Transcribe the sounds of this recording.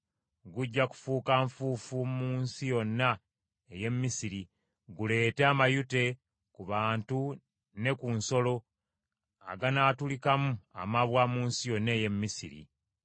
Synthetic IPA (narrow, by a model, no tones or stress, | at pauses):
ɡuɟːaku̥fuːkaɱfuːfummuːnsijo̞nːa | eje̞mːisiɾi | ɡule̞ːteamajute̞ | kuβaːntu | ne̞kunso̞lo̞ | a̰ɡanaːtulikamua̰maβwamuːnsijo̞nːeːje̞mːisḭɾḭ